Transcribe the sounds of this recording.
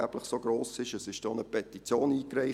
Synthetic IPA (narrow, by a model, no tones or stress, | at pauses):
æb̥ləχsoɡroːsɪʃəsɪʃd̥ɔnəpʰɛt̪it͡sjoːniːkrɛɪ